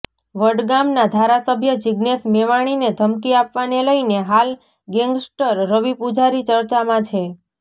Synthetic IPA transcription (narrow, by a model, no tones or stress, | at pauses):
ʋəɖɡamnad̪ʱaɾasəbʱjəd͡ʒiɡnesmɛʋaɽ̃ined̪ʱəmkiapʋaneləineɦal | ɡɛ̃ŋɡsʈəɾːəʋipud͡ʒaɾit͡ʃəɾt͡ʃamãt͡ʃʰe